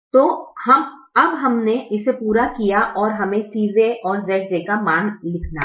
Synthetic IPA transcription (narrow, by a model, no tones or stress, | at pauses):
t̪oːhɐmɐbɦɐmneɪsepuːɾakijaʔɔːɾɦɐmẽsiːʋeʔɔːɾzɛːsekamaːnlɪkʰna̰